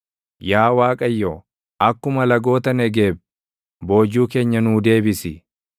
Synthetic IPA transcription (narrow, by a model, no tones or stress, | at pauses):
jaːwaːkʼɐjːo | ʔɐkːʊmɐlɐɡo̞ːt̪ɐnɛɡeːb̚ | bo̞ːd͡ʒːuːke̞ːɲːɐnuːd̪e̞ːbɪsɪ